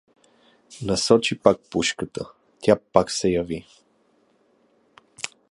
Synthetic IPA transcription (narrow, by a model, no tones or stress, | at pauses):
nɐsɔt͡ʃipak̚puʃkət̪ə | t̪ʲjapaksɛjɐvi